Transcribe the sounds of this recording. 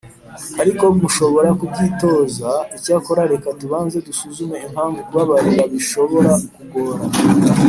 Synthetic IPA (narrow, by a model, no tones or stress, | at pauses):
aɾiko̞muʃo̞βo̞ɾakub̚ɡiːto̞zaicako̞ɾaɾe̞katuβaːnze̞dusuzume̞im̥haːɱvuɾɡwaβaɾiβaβiʃo̞βo̞ɾakukoːɾa